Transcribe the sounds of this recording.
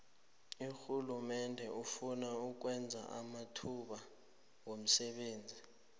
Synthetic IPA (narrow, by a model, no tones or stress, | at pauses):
uxulumɛndʱɛufunauk̬wɛnd͡zʱa̰ʔa̰matʰuɓa | wom̩sɛɓeːnd͡zʱi